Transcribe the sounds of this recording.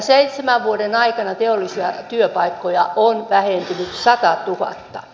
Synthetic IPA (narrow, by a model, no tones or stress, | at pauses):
seit̪semæʋʋuodenɑikɑnɑt̪eolːˑisiɑt̪yøpɑikːojɑʔonʋæhent̪ynyt̪sɑt̪ɑt̪uhɑ̰t̪ːɑ̥